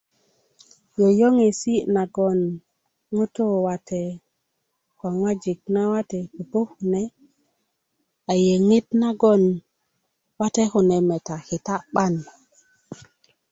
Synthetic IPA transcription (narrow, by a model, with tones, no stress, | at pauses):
jo˨jo˦ŋe˨si˦na˨ɡo˨n | ŋu˦to˦wa˨te˨ | kwa˨ŋwa˦d͡ʒi˨k̚na˦wa˦te˨ki˨po˦hu˨ne˦ | a˨je˨ŋi˦tna˦ɡo˦n | wa˦te˦xu˨ne˨me˨ta˨xi˨ta˦ɓa˦n